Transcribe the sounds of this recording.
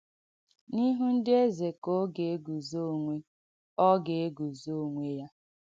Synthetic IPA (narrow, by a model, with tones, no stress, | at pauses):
ni˦ɦu˦n̩˦dɪ˦e˦ze˨ko˦ɡe˨e˦ɡu˨zo˦˨ŋʷe˦ | ɔ˦ɡe˨e˦ɡu˨zo˦˨ŋʷe˦ja˦